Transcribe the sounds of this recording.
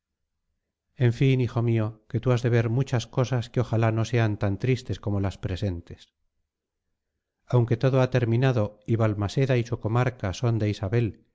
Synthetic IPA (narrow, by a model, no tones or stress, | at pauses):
e̞ɱfinixo̞mio̞ke̞t̪uazðe̞β̞e̞ɾmut͡ʃasko̞saskeo̞xalano̞se̞ant̪ant̪ɾist̪e̞sko̞mo̞laspɾe̞se̞nt̪e̞s | awŋke̞t̪o̞ðoat̪e̞ɾmĩnaðo̞iβalmase̞ðaisuko̞maɾkaso̞nd̪e̞isaβe̞l